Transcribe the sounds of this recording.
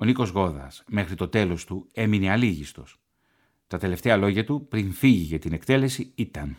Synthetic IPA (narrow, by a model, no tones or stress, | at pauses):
o̞niko̞zɣo̞ðɐ̰sme̞xɾit̪o̞t̪e̞lo̞st̪ue̞mineɐliʝist̪o̞̰s | t̪ɐt̪e̞le̞ft̪e̞ɐlo̞ʝɐt̪upɾinfiʝiʝɐt̪inekt̪e̞le̞siit̪ɐn